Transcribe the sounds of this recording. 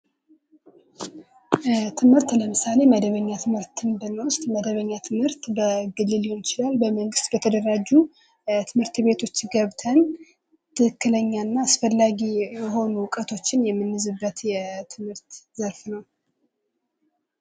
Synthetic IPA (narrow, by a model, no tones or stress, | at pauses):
t̪ʰɨmhɨɾt̪ləmɨsale̞məd̪əβəɲːat̪ʰɨmhɨɾt̪ɨnb̪ɨnːawʊst̪ʼməd̪əβəɲːat̪ʰɨmhɨɾt̪bəɡɨlːɨliho̞nt͡ʃɪlalbəməŋɡɨst̪bət̪ʰəd̪əɾad͡ʒːu | t̪ʰɨmɨɾt̪be̞t̪ʰo̞t͡ʃːɡəβt̪ʰən | t̪ʰɨɨkːɨləɲːaɨnːaːsfəlːaɡijɛɦo̞nuwʊkʼət̪ʰo̞t͡ʃːɪnjɛmːɨnːɨzɨbːət̪jɛt̪ʰɨmhɨɾt̪zəɾfnəw